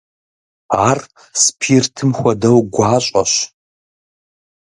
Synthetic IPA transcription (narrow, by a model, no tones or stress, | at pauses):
aːr | spʰirtʰɨmxʷɐdɐwɡʷaːɕʼɐɕ